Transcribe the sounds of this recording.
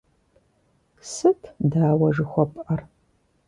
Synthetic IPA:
sɨtʰdaːwɐʒɨxʷɔpʼʔɐr

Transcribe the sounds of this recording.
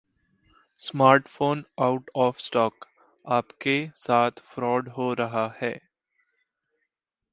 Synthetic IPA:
smaːɾʈfoːnaʊʈɔːfsʈɔːk | aːpkesaːt̪ʰfɾɔːɖɦoɾɐɦahɛː

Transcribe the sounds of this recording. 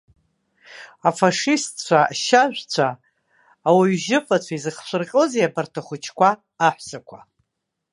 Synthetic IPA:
afaʂistʰt͡ɕʷʰaaʃaʒᶣʷt͡ɕʷʰaː | waɥʒɪfat͡ɕʷʰaizɨχʃʷɨrqʲʼoziapartʰaχʷʊt͡ʃʰkʷʰaː | ħʷsakʷʰa

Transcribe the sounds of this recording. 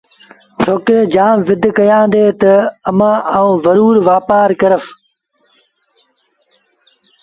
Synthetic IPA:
t͡ʃʰoːkɾeːd͡ʒaːmʋɪd̪ʱkɐjãːnd̪eːt̪ɐɐmãːaũːzəɾuːɾʋaːpaːɾkɐɾəf

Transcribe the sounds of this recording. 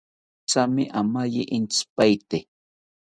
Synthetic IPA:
t͡samɪʔamajɪʔɪnt͡spajt̪e

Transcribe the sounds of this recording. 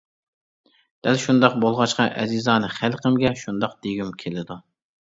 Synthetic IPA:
d̪̥ælʃund̪ɑqbolˠʁɑʃqɑʔɛzizɑːnɨχælqʰəmɡʲɛʃund̪ɑqd̪̥eɡʲymkʲʰelɪd̪u

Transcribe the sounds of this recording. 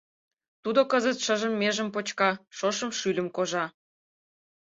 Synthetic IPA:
t̪ud̪okəzət̪ʃəʒəmːeʒə̆mpot͡ɕkɑʃoʃə̆mʃylʲə̆mkoʒɑ

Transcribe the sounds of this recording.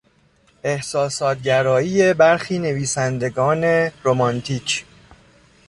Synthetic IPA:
e̞hsɒːsɒːt̪ɟæɾɒːiːjebæɾxiːne̞viːsænd̪e̞ɡɒːne̞ɾomɒnt̪ʰiːcʰ

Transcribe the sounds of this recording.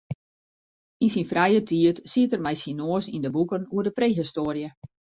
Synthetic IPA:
insinfrɛjətʰiətsitərmɛjsinoəsindəbukənuərdəpreːɦistoːərjə

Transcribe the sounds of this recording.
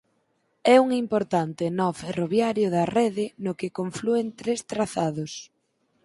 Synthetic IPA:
ɛuŋimpoɾt̪ant̪ɪnɔferoβjaɾjʊðɐrɛðɪnʊkekoɱfluent̪ɾest̪ɾaθaðʊs

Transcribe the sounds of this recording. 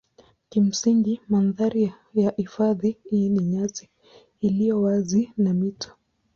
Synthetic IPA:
kim̩siŋɡimanðaɾi | jahifaðiiniɲaziː | lijɔwazinamitʰɔ̥

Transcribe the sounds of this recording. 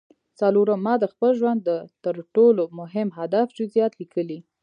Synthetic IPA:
t͡saloɾəmɑd̪əxpəlʒwand̪ːət̪əɾʈolomʊɦɪmɦad̪afd͡ʒʊzijɑt̪likʰəli

